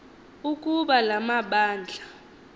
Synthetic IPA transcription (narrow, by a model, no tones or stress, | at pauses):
ukʼuɓalamaɓaːnd͡ɮʱa